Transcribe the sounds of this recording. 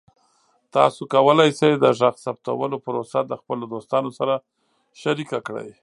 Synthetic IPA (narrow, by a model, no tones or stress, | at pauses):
t̪ɑ̰sokawəlajsajd̪əʒaxsap̚t̪a̰wəlopəɾosad̪əxpəlod̪ost̪ɑnosaɾa | ʃaɾikakɽə̰j